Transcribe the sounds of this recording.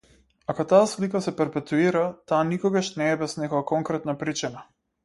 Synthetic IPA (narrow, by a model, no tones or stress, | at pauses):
akɔt̪aːslikasɛpɛɾpɛt̪uiɾat̪aːnikɔɡaʃnɛːbɛsnɛkɔjakɔŋkɾɛt̪napɾit͡ʃina